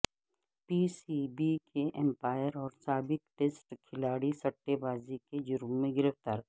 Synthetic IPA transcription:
piːsibikʰeʔɛ̃mpaːjəɾɔːɾsaːbɪk̚ʈeːsʈkʰɪlaːɽisɐʈːebaːziked͡ʒʊɾəmːẽɡɪɾəft̪aːɾ

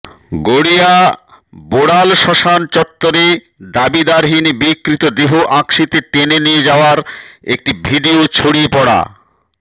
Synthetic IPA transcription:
ɡoɽia | boɽalʃɔʃant͡ɕɔt̪ːoɾe | d̪abid̪aɾɦinibikːɾit̪od̪eɦoʔãkʃit̪et̪enenijed͡ʑaoaɾḛk̚ʈibʱiɖiot͡ɕʰoɽiepɔɽa̰

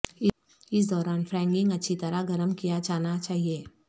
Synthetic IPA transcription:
ɪs̬d̪ɔːɾaːnfɾɛ̃ːŋɡɪ̃ŋɡɐtːʃʰit̪ɐɾaɡɐɾəmkijad͡ʒaːnat͡ʃaːɦieː

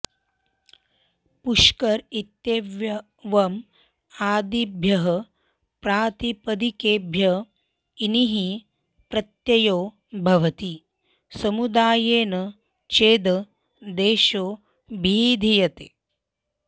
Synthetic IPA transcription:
puʃkɐɾit̪jeːʋjɐ | ʋɐm | aːd̪ibʱjɐɦɐ | pɾaːt̪ipɐd̪ikeːbʱjɐ | iniɦi | pɾɐt̪jɐjoː | bʱɐʋɐt̪i | sɐmud̪aːjeːnɐ | t͡ʃeːd̪ɐ | d̪eːʃoː | bʱiːd̪ʱijɐt̪e

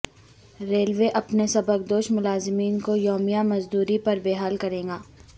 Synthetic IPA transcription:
ɾeːlʋeʔɐpnesɐbək̚d̪oːʃmʊlaːzɪmiːnkojɔːmijamɐzd̪uːɾipɐɾbeːɦaːlkɐɾẽːŋɡaː

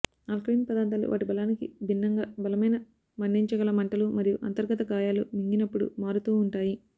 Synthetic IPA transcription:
naːlkɾiːnpɐd̪aːnt̪aːlṵʋʔa̰ːʈibɐlaːnikḭbʱinːɐŋɡaːbɐlɐmɐjnɐ | mɐɳɖiɲt͡ʃɐɡɐːlɐmɐɳʈɐlumɐɾijuʔɐnt̪ɐɾɡɐt̪ɐɡaːjaːlṵmiŋɡinɐpːuɽṵmaːɾut̪uːɳʈaːji

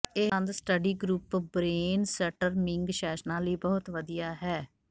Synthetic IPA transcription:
eːə̃nd̪sʈəɖiːɡɾuːpbɾeːnsɛʈəɾmɪ̃ŋɡʃɛːʃnãːləiːbɔːʊt̪ʋəd̪ijaːɦɛː

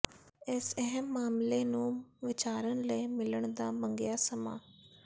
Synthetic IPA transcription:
ɪsɛɦəmːaːmleːnũːʋɪt͡ʃaːɾənləimɪləɳd̪aːməŋɡjaːsəma̰ː

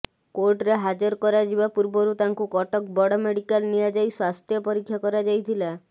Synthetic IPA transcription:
koɾʈɾeɦad͡ʒɔɾkɔɾad͡ʒibapuɾbɔɾut̪aŋkukɔʈɔk̚bɔɽɔmeɽikalnijad͡ʒajswast̪ʰjɔpɔɾikʰːjakɔɾad͡ʒajt̪ʰila

